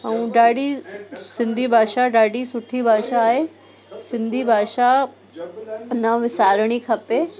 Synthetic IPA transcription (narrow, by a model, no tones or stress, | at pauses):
əũɖaːɽisɪ̃nd̪ʱibʱaːʃaɖaːɽisʊʈʰibʱaːʃaːɦe | sɪ̃nd̪ʱibʱaːʃa | nɐʋɪsaːɾəɽ̃ikʰɐpe